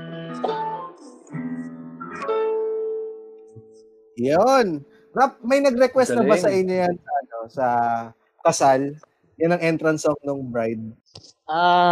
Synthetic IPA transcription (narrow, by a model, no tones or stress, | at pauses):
jon | ɾap̚mɐjnɐɡɾɛkwɛst̪nɐbasɐʔɪɲːojansɐɐno̞sɐ | kɐsal | janɐŋʔɛnt̪ɾɐnsoŋnoŋbɾajd̪̚ | ʔa